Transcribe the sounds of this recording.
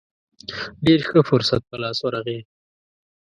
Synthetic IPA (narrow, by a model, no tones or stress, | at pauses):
ɖeɾxəfʊɾsa̰t̪̚pəlɑswaɾaɣe